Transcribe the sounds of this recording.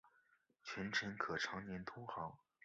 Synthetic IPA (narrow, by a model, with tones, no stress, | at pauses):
t͡ɕʰɥɛ˧˥nʈ͡ʂʰə˧˥nkʰɤ˨˩ʈ͡ʂʰɑ˧˥ŋnjɛ˧˥nt̪ʰʊ˥ŋxɑ˧˥ŋ